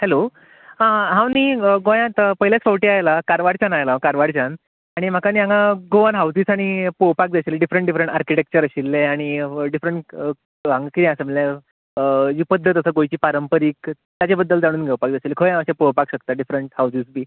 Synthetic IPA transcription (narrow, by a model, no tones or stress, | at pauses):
hɛlo | ãɦãwniːɡojãt̪pəɦilat͡sfəʋʈiːajlakaɾʋaɽt͡ɕanajlãkaɾʋaɽt͡ɕan | aɽ̃im̤akaniːɦãŋɡaɡoʋanɦawsiːsaɽ̃ipowpak̚d͡zaɕileɖifɾəɳʈɖifɾəɳʈaɾkiʈek̚t͡ɕəɾəɕilːeaɽ̃iɖifɾəɳʈ | ãŋɡakit̪ãsəməla | d͡ʑiːpəd̪ʱːət̪əsəːɡojt͡ɕiːpaɾəmpəɾiːk̚ | t̪jat͡ɕabəd̪ːəld͡zaɽ̃uːnɡʱewpak̚d͡zaɕilːekʰəjãəɕepowpakɕəkt̪aɖifɾəɳʈhawsiːsbʱiː